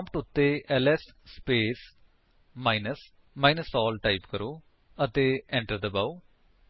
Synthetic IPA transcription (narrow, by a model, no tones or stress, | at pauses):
ãmpʈʊt̪ːeːʔɛlɛsːpeːs | maːɪnəs | maːinəsɔːlʈaɪpkəɾoː | ət̪eːɛ̃ɳʈəɾd̪əbau